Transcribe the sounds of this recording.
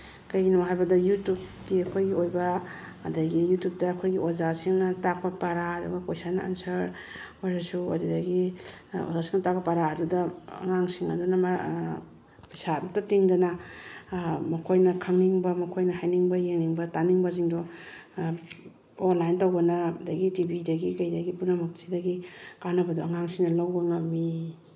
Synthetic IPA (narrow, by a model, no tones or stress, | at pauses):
kɐjɡinuɦajbɐdɐjutupdiɐkʰojɡiojbɐ̰ː | dɐɡijutjup̚tɐːkʰojɡiozasiŋnɐtak̚pɐpaɾaɐdṵɡɐkojsanɐa̰nsɐɾ | azasuɐ̰dudɐɡi | o̰zasiŋnɐtak̚pɐpaɾaːdudɐ̰ːŋaŋsiŋɐ̰dunɐma | pajsadudɐtiŋdɐnɐ | mɐkʰojnɐkʰaŋniŋbɐmɐkʰojnɐhajniŋbɐjeŋniŋbɐtaniŋbɐziŋdɔ | onlajntawbɐnɐdɐɡitibidɐɡikɐjdɐɡipunamɐksidɐɡikanɐbɐdɔaŋaŋsiŋnɐlawbɐŋɐmi